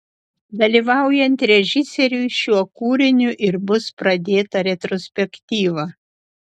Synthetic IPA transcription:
d̪ɐlʲiːʋɑˑʊjɛnʲt̪ɾʲɛʒʲɪsʲɛɾʲʊɪʃʲuɔkuːɾʲɪnʲʊʔɪɾbʊspɾɐd̪ʲeːt̪ɐɾʲɛt̪ɾɔsʲpʲɛkt̪ʲiːʋɐ

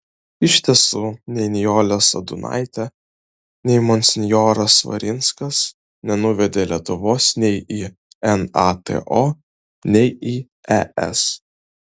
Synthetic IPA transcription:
ɪʃʲt̪ʲiɛsunʲɛɪnʲɪjoːlʲɛsɐ̰d̪ʊnɑ̰ɪt̪ʲɛ | nʲɛɪmɔnʲsʲɪnʲjoːɾɐsʋɐ̰ɾʲɪnskɐs | nʲɛnʊʋʲɛd̪ʲeːlʲiɛt̪ʊʋoːsnʲɛɪi | ɛnɑt̪ḛʔoː | nʲɛɪiː | ɛʔɛ̰s

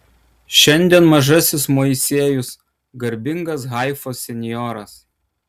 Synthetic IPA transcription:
ʃʲɛnʲd̪ʲɛnmɐʒɐsʲɪsmoːɪsʲiɛjʊs | ɡɐɾʲbʲɪŋɡɐs̬ɣɑˑɪfoːsʲɛnʲjɔːɾɐs

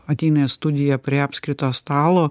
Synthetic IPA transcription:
ɐt̪ʲɛɪnɐjst̪ʊd̪ʲɪjɛpʲɾʲiːɑːpʲsʲkɾʲɪt̪oːst̪ɑːlˠoː

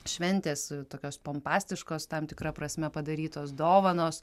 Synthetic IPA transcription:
ʃʲʋʲɛnʲt̪ʲeːst̪oːkʲoːspompɑːsʲt̪ʲɪʃkoːst̪ɐmt̪ʲɪkɾɐpɾɐsʲmʲɛpɐd̪ɐɾʲiːt̪oːsd̪oːʋɐnoːs

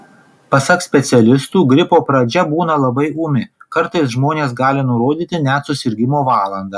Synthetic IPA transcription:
pɐsɐksʲpʲɛt̪sʲɛlʲɪst̪uːɡɾʲɪpoːpɾɐd͡ʒʲɛbuːnɐlˠɐbɐɪuːmʲɪkɐɾt̪ɐɪs̬ʒmoːnʲeːsɡɑːlʲɪnʊɾoːd̪ʲiːt̪ʲɪnʲɛt̪sʊsʲɪɾʲɡʲɪmoːʋɑːlˠɐnd̪ɑ

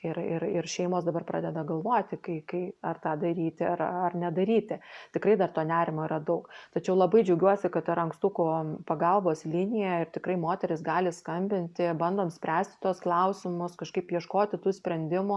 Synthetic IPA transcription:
ɪrɪrɪrʃʲɛɪmoːsd̪ɐbɐrpɾɑːdʲɛd̪ɐɡɐlˠʋoːt̪ʲɪkɐɪkɐɪɐrt̪ɑːd̪ɐɾʲiːt̪ʲɪɐrɐrnʲɛd̪ɐɾʲiːt̪ʲɪt̪ʲɪkɾɐɪd̪ɐrt̪oːnʲæːɾʲɪmoːiːɾɐd̪ɐʊkt̪ɐt͡ʃʲɛʊlˠɐbɐɪd͡ʒʲɛʊɡʲuɔsʲɪkɐt̪ɪɾɐŋkst̪uːkʊpɐɡɐlˠboːslʲinʲɪjɛɪrt̪ʲɪkɾɐɪmoːt̪ʲɛɾʲɪsɡɑːlʲɪskɐmʲbʲɪnʲt̪ʲɪbɐnd̪oːmsʲpʲɾʲæːsʲt̪ʲɪ̥t̪uɔsklˠɐʊsʲɪmʊskɐʃkɐɪpjiɛʃkoːt̪ʲɪt̪uːsʲpʲɾʲɛnʲd̪ʲɪmʊ

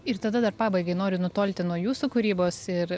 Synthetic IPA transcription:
ɪrt̪ɐd̪ɐd̪ɐrpɑːbɐɪɡɐɪnoːɾʲɪnʊt̪oːlʲt̪ʲɪnuɔjuːsukʊɾʲiːboːsɪɾ

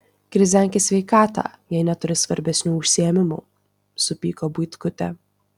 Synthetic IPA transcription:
kɾʲɪzʲæŋʲkʲɪsʲʋʲɛɪkɑːt̪ɑ̰jɛɪnʲɛt̪ʊɾʲɪsʋɐɾʲbʲɛsʲnʲuːʊʃʲsʲiɛmʲɪmṵː | sʊpʲiːkobʊɪt̪kʊt̪ʲɛ

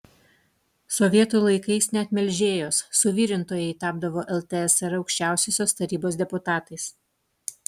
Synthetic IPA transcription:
sɔʋʲiɛt̪uːlˠɐɪkɐɪsnʲɛɐt̪ʲmʲɛlʲʒʲeːjoːsːʊʋʲiːɾʲɪnt̪oːjɛɪt̪ɑːb̚d̪ɐʋoːʔɛlˠt̪ʲɛɛsɛɾɒʊkʃʲt͡ʃʲæˑʊsʲoːsʲoːst̪ɐɾʲiːboːs̬d̪ʲɛpʊt̪ɑːt̪ɐɪs

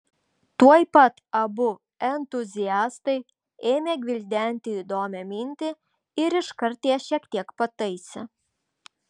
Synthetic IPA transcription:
t̪uɔjpɐt̪ɐbʊ | ɛnt̪ʊzʲɪjæːst̪ɐɪ | eːmʲeːɡʲʋʲɪlʲd̪ʲæˑnʲt̪ʲɪiːd̪oːmʲɛmʲɪnʲt̪ʲɪ | ɪɾɪʃkɐɾʲt̪ʲiɛʃʲiɛkt̪ʲiɛkpɐt̪ɐɪsʲɛ

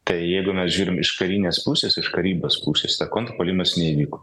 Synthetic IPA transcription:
t̪ɐɪjɛɪɡʊmʲɛsʒʲuːɾʲɪmɪʃkɐɾʲiːnʲeːspuːsʲeːsɪʃkɐɾʲiːboːspuːsʲeːst̪ɐkoːnt̪poːlʲimɐsnʲɛiʋʲiːkoː

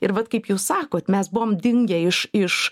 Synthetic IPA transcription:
ɪɾʋɐt̪kɐɪpjuːssɑːkoːt̪mʲɛsbʊʋoːmd̪ʲɪŋʲɡʲɛɪʃɪʃ

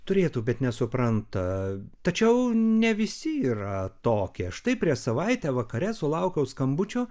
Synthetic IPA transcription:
t̪ʊɾʲeːt̪uːbʲɛt̪nʲɛsʊpɾɐnt̪ɐt̪ɐt͡ʃʲɛʊnʲɛʋʲɪsʲɪiːrɐt̪oːkʲeɐʃt̪ɐɪpʲɾʲiɛʃsɐʋɐɪt̪ʲæːʋɐkɐɾʲɛsʊlˠɐʊkʲɛʊskɐmbʊt͡ʃʲoː

